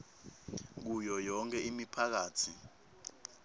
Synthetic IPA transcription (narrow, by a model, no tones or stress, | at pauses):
k̬ujɔjɔŋkʰʼɛʔimipʰak̬aːtʰi